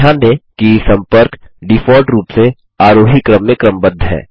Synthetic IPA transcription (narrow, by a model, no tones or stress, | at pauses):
ãːd̪ẽkisɐ̃mpəɾkɖɪfʰɔːɾʈɾuːpse | aːɾoːɦikːɾəmːẽkɾəmbəd̪ʱɦɛ̰ː